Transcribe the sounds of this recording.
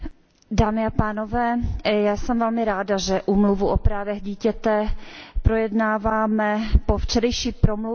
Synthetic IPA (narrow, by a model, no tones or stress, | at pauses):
daːmɪapaːnovɛːjaːsɛmvɛlmɪɾaːdaʒɛʔuːmluvuʔopɾaːvɛɣɟiːcɛt̪ɛpɾojɛdnaːvaːmɛpoft͡ʃɛdɛjʃiːpɾomlu